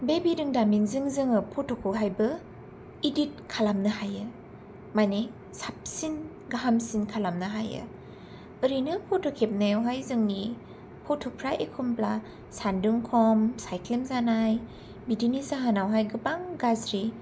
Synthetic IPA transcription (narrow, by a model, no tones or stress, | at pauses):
bebidɯŋdamiŋzɯŋzɯŋɯpʰɔtʰɔkʰɯɦajbɯ | idit̚kʰalamnɯhajɯ | majne | sap̚sin | ɡaɦamsinkʰalamnɯɦajɯ̰ | ɯɾinɯpʰɔtʰokʰep̚najwɦajzɯŋni | pʰɔtʰɔpʰɾaʔekʰɔmpla | sandɯŋkʰɔmsajkʰlemzanaj | bidinizaɦanawɦajɡɯbaŋɡazɾi